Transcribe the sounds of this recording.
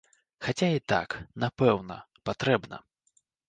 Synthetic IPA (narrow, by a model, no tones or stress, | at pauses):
xat͡sʲait̪a̰knapɛwnɐ | pat̪ɾɛbnɐ̰